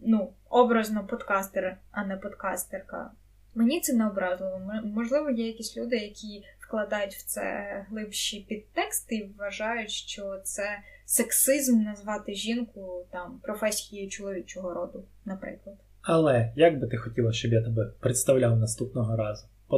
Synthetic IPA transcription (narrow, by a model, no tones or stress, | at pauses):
nu | ɔbɾɐznɔpɔd̪kɑst̪eɾɐnɛpɔd̪kɑst̪erkɐ̰ | menʲit̪sɛnɛɔbɾɑzlˠɪlɔmmɔʒlˠɪʋɔjɛjɐkʲisʲlʲud̪ɪjɐkʲʰifklˠɐd̪ɑjʊtʲw̥t̪sɛ̰ɦlˠɪpʃipʲid̪̚t̪ɛkst̪ɪʋːɐʒɑjʊtʲʃt͡ʃɔt̪sɛseksɪzmnɐzʋɑt̪ɪʒʲinkʊt̪ɑmpɾɔfɛsʲijʊjʊt͡ʃʊlˠɔʋʲit͡ʃɔɦɔɾɔd̪ʊ | nɐpɾɪ̰klˠɐd̪ | ɐlˠɛjaɡ̚bɪt̪ɪxɔtʲilˠɐʃt͡ʃɔbjat̪ɛbɛpɾet̪st̪ɐwlʲawnɐst̪upnɔɦɔɾɑzʊ | pɔ